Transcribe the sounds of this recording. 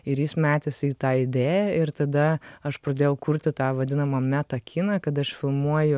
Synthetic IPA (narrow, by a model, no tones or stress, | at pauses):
ɪɾjiːsmʲæːt̪ʲesʲiːt̪ɑːɪd̪ʲeːjɛɪɾt̪ɐd̪ɐɐʃpɾɐd̪ʲeːjɛʊkʊɾʲt̪ʲɪt̪ɑːʋɐd̪ʲɪnɐmɐmʲæt̪ɐkʲʰɪnɑːkɐt̪ɐʃfʲɪlˠmuɔjʊ